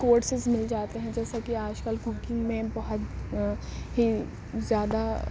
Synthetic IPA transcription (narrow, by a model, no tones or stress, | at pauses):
koːɾʈsɪzmɪld͡ʒaːt̪eɦɛ̃d͡ʒɛːsakiaːd͡ʒkəlbʱʊkɪ̃ŋɡmẽbɐɦʊt̪ | ɦi | zjaːd̪a